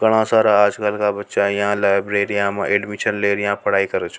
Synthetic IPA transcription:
ɡəɽ̃ãsaːɾaaːd͡ʒkəlkabətːʃajɐɦãlajbɾeːɾijãmãʔeːɖmiʈʰənleːɾjãpəɽ̤aːikəɾət͡ʃʰ

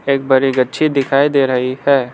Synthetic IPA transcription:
eːk̚bɐɾiɡɐtːʃʰid̪ɪkʰaːid̪eːɾɐɦihɛː

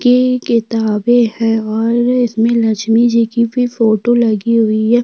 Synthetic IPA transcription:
kekɪt̪aːbehɛ̃ɔːɾɪsmẽlɐt͡ʃmid͡ʒikibʱifoːʈolɐɡiɦʊiɦɛː

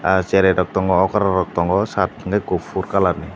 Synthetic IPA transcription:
at͡ʃɛɾɛdɔk̚t̪ɔŋɡɔɔkaɾaɾɔk̚t̪ɔŋɡɔsat̪̚ːiŋɡaɡofʰuɾkalaɾni

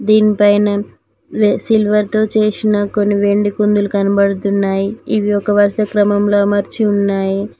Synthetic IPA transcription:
d̪iːnipɐjnɐ | ʋsilʋɐɾt̪o̞ːt͡ʃeːsinɐko̞nːiʋe̞ɳɖikund̪ulukɐnɐbɐɽɐt̪unːaːjiiʋiɔkɐʋɐɾsɐkɾɐmɐmlo̞ːmɐɾt͡ʃiunːaːji

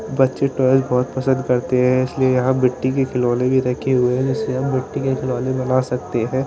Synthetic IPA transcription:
bɐtːʃeʈɔːɪzbɔːt̪pɐsə̃nd̪kɐɾt̪eɦɛ̃ɪsliejɐɦãbɪʈːikekʰɪlɔːlẽbʱiɾɐkʰeɦʊeɦɛ̃d͡ʒɪsːeɦɐmbɪʈːikekʰɪlɔːlẽbɐnasɐk̚t̪eɦɛ̃ː

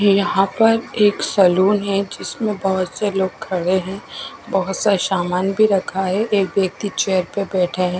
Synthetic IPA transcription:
jɐɦãpɐɾeːksɐluːnɦɛd͡ʒɪsmẽbɐɦʊt̪seloːɡ̚kʰɐɽeɦɛ̃bɐɦʊt̪saʃaːmaːnbʱiɾɐkʰaɦɛʔeːk̚ʋjɐk̚t̪it͡ʃeːjəɾpebɛːʈʰeɦɛ̃ː

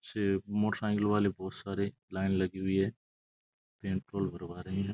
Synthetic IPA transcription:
semoːʈəɾãːŋɡɪlʋaːlibɔːt̪saːɾi | laːɪnlɐɡiɦʊiɦɛː | peːɳʈɾoːlbʱɐɾʋaːɾɐɦĩɦɛ̃

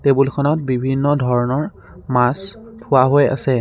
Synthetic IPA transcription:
tebulkʰɔnɔt̚bibʱinːɔdʱɔɹɔnɔɹ | mastʰʊwaɦoja̰sɛ

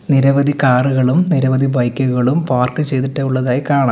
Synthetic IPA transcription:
niɾɐʋɐd̪ʱikaːruɣɐɭumniɾɐʋɐd̪ʱibɐjkʲːuɣɐɭumpaːrkɨt͡ɕejt̪̬iʈːɐjuɭːɐðaːjikaːɳaː

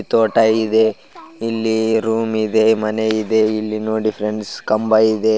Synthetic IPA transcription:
t̪oːʈɐid̪e | ilːiɾuːmid̪e̞mɐneid̪e̞ilːinuːɖipʰɾenskɐmbɐjid̪e

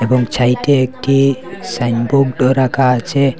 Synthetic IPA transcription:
ebɔŋɡt͡ʃʰajʈeːk̚ʈʰisajnboɡɖɔɾakat͡ʃʰe

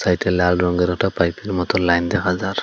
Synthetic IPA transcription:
sajtɛlalɾɔŋɡɛɾɔktʰapajpeɾmɔt̪ɔlajnd̪ɛkʰazaɾ

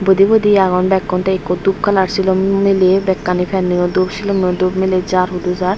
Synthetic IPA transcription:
bod̪ibod̪iaɡɔnbɛkːɔnt̪eekːod̪up̚kalaɾsʰilomilebɛkːanifʰɛnːiod̪uɾʃʰilomiod̪ubmiled͡ʑaɾɦud̪ud͡ʑaɾ

